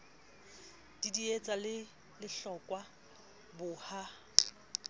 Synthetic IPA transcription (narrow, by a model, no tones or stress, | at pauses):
d̥idiet͡sʼalɪ | lɪɬɔkʼwa | bʊha